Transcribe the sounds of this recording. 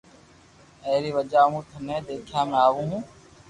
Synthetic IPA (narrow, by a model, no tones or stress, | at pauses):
eːɾiːʋəd͡ʒaːmũːt̪ʰənẽːd̪eːkʰjaːmẽːaːʋũːɦũː